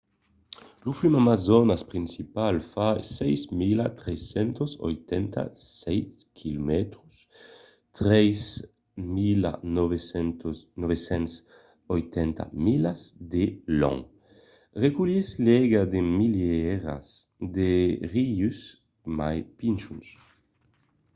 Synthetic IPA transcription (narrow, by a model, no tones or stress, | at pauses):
luflymamazɔnaspʁinsipalfasɛjzmilat̪ɾɛsɛnt̪osɔ̰jt̪ɛnt̪a̰sɛjskʰilumɛt̪ɾus | t̪ʁɛjs | mila̰nɔvesɛnt̪nɔβesɛns | ɔjt̪ɛnt̪a̰milazd̪elɔ̰ŋ | ʁekulislɛɡad̪emiljɛɾa̰s | d̪eʁius | ma̰jpint͡ʃuns